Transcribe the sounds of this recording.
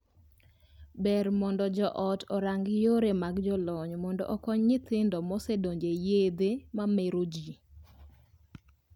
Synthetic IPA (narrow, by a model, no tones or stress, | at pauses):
bɛɾmɔndɔd͡ʒɔʔɔtʰɔɾaŋɡɪjoɾemaɡd͡ʒɔlɔɲmɔndɔ̰ʔɔkɔɲːɪt̪ɪndɔmɔsedoɲd͡ʒejed̪emameɾod͡ʒi